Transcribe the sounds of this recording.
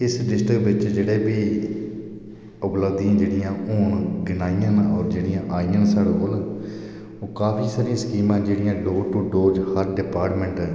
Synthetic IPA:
ɪsɖɪsʈɾɪkʋɪt͡ʃd͡ʒeːɽeːbiː | ʊpləbd̪iãːd͡ʒeːɽɪjãːoːɳɡɪnaːijãːnɔːɾd͡ʒeːɽijãːʔaːijãːnsaːɽoːkoːlaː | oːkaːpʰiːsaːɾijãːsə̥kiːmãːd͡ʒeːɽɪjãːɖoːʈuːɖoːd͡ʒhəɾɖɪpaːɾʈmɛ̃ːɳʈː

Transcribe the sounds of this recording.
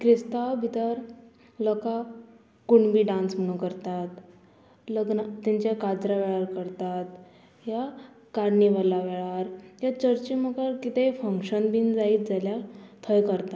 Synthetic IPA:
kɾist̪awbʱit̪əɾ | lɔka | kuɳbʱiːɖãnsm̤əɽ̃ũkəɾt̪at̪ | ləɡnət̪aɲt͡ɕjakad͡zɾaʋɛɭaɾkəɾt̪at̪ | ja | kaɾniʋəlaʋɛɭaɾjat͡ɕəɾt͡ɕiməkaɾkit̪efəŋkɕənbind͡zaiːt̪̚d͡zaljat̪ʰəjkəɾt̪at̪

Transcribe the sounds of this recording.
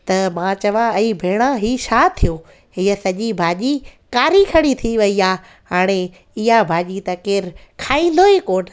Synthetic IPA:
t̪ɐmãːt͡ɕɐʋãɐibʱeːɽ̃ãɦiːʃʰaːt̪ʰijoː | ɦiəsɐʄibʱaːʄikaːɾikʰɐɽ̃it̪ʰiʋɐiaː | ɦaːɽ̃e | ɪɦabʱaːʄit̪ɐkeːɾkʰaːĩn̆d̪ʱoːɦikoːn

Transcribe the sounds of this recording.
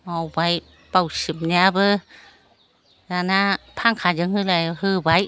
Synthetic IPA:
ʔawwaj | pawsimɲabə | naːnaːpʰaːŋkʰaːd͡ʒɯŋhɯlahɯːbaj

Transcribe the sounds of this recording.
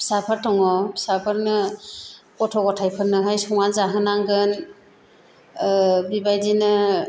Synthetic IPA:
pʰi̥sapʰaɾtʰɔŋɔpʰi̥sapʰɯɾnɯ | kɔtʰɔkɔtʰajpʰɯɾnɯɦajsɔŋanzaɦɯnaŋɡɯn | bibajdinɯ

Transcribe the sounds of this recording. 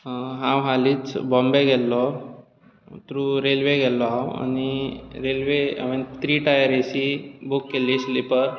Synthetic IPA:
ɦãwɦaliːt͡sbɔ̃mbeɡɛlːɔ | t̪ɾuɾelʋeɡɛlːɔɦawa̰niɾelʋea̰ʋent̪ɾiːʈajəɾeɕibukːeliːslipəɾ

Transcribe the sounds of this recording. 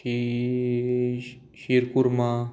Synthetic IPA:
i | ʃiɾkuɾma

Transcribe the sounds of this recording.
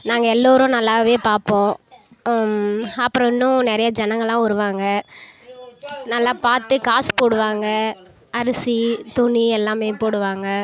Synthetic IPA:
naːŋɡɐɛlːoːɾʊ̃nɐlːaːʋeːpaːɾpõː | ɐpːɯɾɔ̃ɪnːʊ̃nɛɾɐjɐd͡ʒɛnɐ̃ŋɡɐɭãːʊɾɯʋaːŋɡɐ | nɐlːaːpaːɾt̪ɯkaːspoːɽɯʋaːŋɡɐ | ɐɾɯsit̪ʊɳiɛlːaːmeːpoːɽɯʋaːŋɡɐ

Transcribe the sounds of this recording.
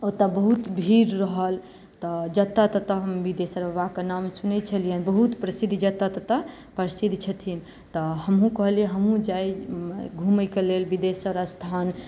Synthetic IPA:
ot̪abəɦut̪bʱiɾɾəɦəl | t̪ɔd͡ʒət̪ːat̪ət̪əɦəmbid̪esəɾəbakenamsunɛt͡ʃʰəlijənbəɦut̪pɾəsid̪ʱd͡ʒət̪ːat̪ɔt̪ə | pɾəsid̪ʱt͡ʃʰət̪ʰin | t̪ɔɦəmɦũkəɦəlieɦəmɦũd͡ʒajɡʱuməkelelbid̪esəɾast̪ʰan

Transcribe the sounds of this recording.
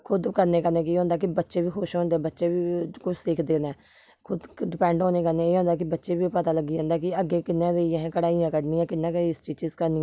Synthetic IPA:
kʰʊd̪kəɾneːkəɾneːk̬iːɦõːnd̪aːkɪbətːʃeːbiːkʰoːʃɦõːnd̪eːbətːʃeːbiːkʊt͡ʃʰsɪkʰd̪eːnɛː | kʰʊd̪ɖɪpɛ̃ːɳɖɦõːneːkəɾneːeːɦõːnd̪aːk̬ɪbətːʃeːbiːpət̪aːləɡːiːõːnd̪aːk̬ɪəɡːeːkɪnːãːɾeiɦɛ̃ːkəɽaːijãːkəɖniːãːkɪnːãːkəiɪst͡ʃiːt͡ʃizkəɾniː

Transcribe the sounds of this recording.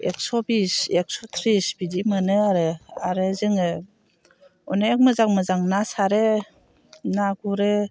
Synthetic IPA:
ek̚sɔbisek̚sɔt̪ʰɾisbidimanɯaɾɯaɾɯzɯŋɯ | ɔneek̚mɯzaŋmɯzaŋnasaɾe | naɡuɾe

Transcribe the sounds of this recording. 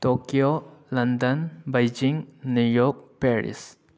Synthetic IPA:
tokiolɐndənbajd͡ʒiŋnujɔk̚peɾḭs

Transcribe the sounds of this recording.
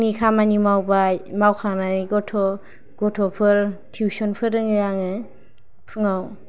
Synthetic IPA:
nikʰamanimawbajmawkʰaŋnaniɡɔtʰɔ | ɡ̥ɔtʰɔpʰɯɾtʰiuwsɔnpʰɯɾɯŋɯjaŋɯ | pʰɯŋaw

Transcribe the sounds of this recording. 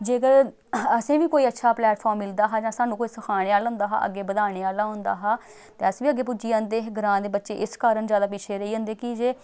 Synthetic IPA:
d͡ʒeːkəɾ | əsẽːʋiːkoːiːətːʃʰaːplɛːʈpʰɔːɾmːɪld̪aːɦaːd͡ʒãːsaːnːũːkoːiːsəkʰaːɽ̃eːaːlaɦʊ̃ːnd̪aːɦa̰ːʔə̰ɡːeːbəd̪aːɽ̃eːaːlaːɦʊ̃nd̪a̰ːɦaː | t̪eːəsʋiːəɡːeːpʊd͡ʒiːãːnd̪eːɡəɾãːd̪eːbətːʃeːʔɪskaːɾəɳzjaːd̪aːpɪt͡ʃʰeːɾəiːɦõːnd̪eːkɪd͡ʒeː

